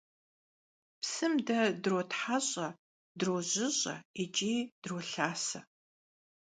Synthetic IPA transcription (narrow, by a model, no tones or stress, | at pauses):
psɨmdɐdrotħaɕʼɐ | droʑɪɕʼɐ̰it͡ʃʼiːd̥roɬaːsɐ